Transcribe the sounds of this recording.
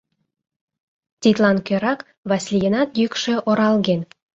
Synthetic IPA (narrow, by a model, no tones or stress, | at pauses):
t̪ʲit̪lˠɑnkʲøɾɑk | vɑsʲlʲjenɑt̪jykʃɘ̆ʔoɾɑlˠɡen